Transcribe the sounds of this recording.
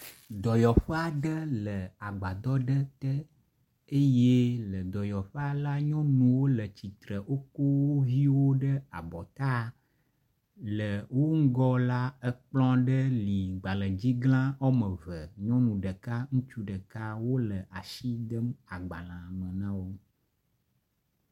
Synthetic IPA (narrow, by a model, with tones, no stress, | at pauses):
d̪ɔ˨jɔ˨ɸə˦a˨ɖə˦lə˨a˨ɡ͡ba˨d̪ɔ˦ɖə˦t̪ə˦ | e˦je˦lə˨d̪ɔ˨jɔ˨ɸə˦a˨la˦ɲɔ̃˦nũ˨wo˦lə˨t͡ɕi˨t̪ɾə˨ʔo˦ko˦wo˦vi˦wo˦ɖə˦a˨bɔ˨t̪a˦˨ | lə˨wo˦ŋ̩˦ɡɔ˦la˦ə˦k͡plɔ̃˦ɖə˦li˨ɡ͡ba˨lə˨d͡ʑi˦ɡlã˦ɔ˦mə̃˨və˨ɲɔ̃˦nũ˨ɖə˨ka˦ŋũ˦t͡ʃu˦ɖə˨ka˦wo˦lə˨ʔa˨ʃi˦d̪ə˦ma˨ɡ͡ba̰˨lã˨mə̃˨nã˦wo˦